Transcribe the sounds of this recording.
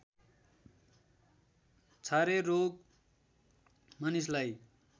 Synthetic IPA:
t͡sʰaɾeroɡ̚ | manislaj

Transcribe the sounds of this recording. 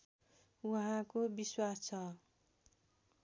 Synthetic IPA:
uɦãkobiswast͡sʰʌ

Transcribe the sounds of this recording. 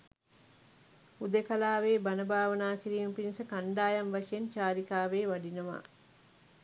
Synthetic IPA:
ud̪ekɐlaːʋeːbɐnəbaːʋɐnaːkiɾiːməpinisəkɐɳɖaːjɐnʋɐʂejent͡ʃaːɾikaːʋeːʋɐɖinɐʋa̰ː

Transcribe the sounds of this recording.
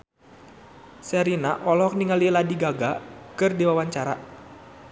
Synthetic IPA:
sɛɾinaʔɔlɔk̚niŋaliladiɡaɡakɨrdiwawaɲt͡ʃaɾa̰

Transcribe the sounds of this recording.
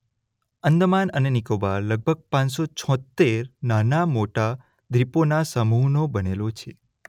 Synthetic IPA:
ənd̪manənenikobaləɡ̚bʱəɡ̚pãnsot͡ʃʰɔ̃t̪ːeɾnanamoʈa | d̪ʱɾiponasəmuɦnobənelot͡ʃʰe

